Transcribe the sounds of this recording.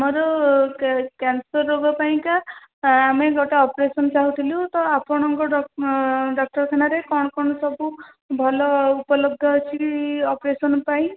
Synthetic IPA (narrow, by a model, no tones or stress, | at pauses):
amɔɾɔ | kansɔɾːobapaĩkaː | meɡɔʈaɔpɾesɔnt͡ʃaɦũt̪ʰiliut̪ɔapʰɔɽ̃ɔŋɡɔɔ | ɖɔk̚ʈɔɾkʰanaɾekɔɽ̃ɔkɔɽ̃ɔsɔbu | bʱɔlɔupɔlɔɡd̪ʱjɔt͡ʃʰiɔpɾesɔnpaĩ